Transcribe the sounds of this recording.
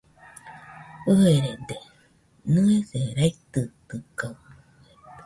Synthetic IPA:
ɯeɾed̪e | nɯeseɾait̪ɯt̪ɯkaw

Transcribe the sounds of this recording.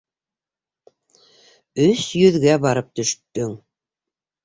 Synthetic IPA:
ɵsjɵ̆ðɡæbɑɾɤp̚t̪ɵ̆ʃt̪ːɵŋ

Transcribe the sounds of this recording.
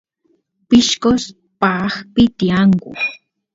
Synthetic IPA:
pɪʃkos | paxpɪt̪ijaŋkʊ̰

